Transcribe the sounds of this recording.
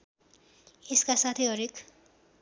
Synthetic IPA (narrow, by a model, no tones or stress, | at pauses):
eskasat̪ʰeɦʌɾek